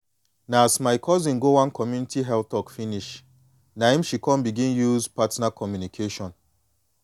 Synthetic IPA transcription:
naːsmaɪkʰɔzĩnɡowãnkɔmjunitiɦɛltɔkfiniʃ | naĩmʃikɔ̃nbiɡĩnjuzpatnakʰɔmjunikʰeʃɔ̃n

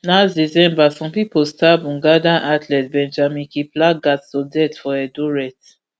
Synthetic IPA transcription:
nazdizɛ̃mbasɔ̃mpipostabũŋɡadãnʔatʰlɛt̚bɛ̃nd͡ʒamĩkiplaɡattɔdɛtfɔɛduɹɛt

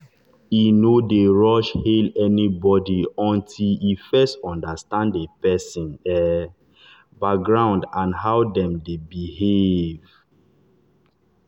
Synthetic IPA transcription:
inodeɹɔʃhelɛnibɔdiɔ̃ntʰilifɛstɔ̃ndastãndepɛsĩnɛ | bak̚ɡɹãʊ̃ndãnɦaʊwdɛ̃mdebihev

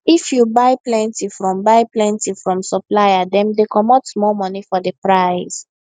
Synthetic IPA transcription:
ifjubaɪplɛ̃ntifɹɔ̃mbaɪplɛ̃ntifɹɔ̃msɔplajadɛ̃mdekɔmɔtmɔmɔnifɔdəpɹaɪs

